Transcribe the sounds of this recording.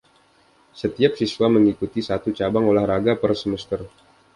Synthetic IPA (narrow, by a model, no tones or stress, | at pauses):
sət̪iap̚siswaməŋikut̪isat̪ut͡ʃabaŋolahɾaɡapərsəməst̪ər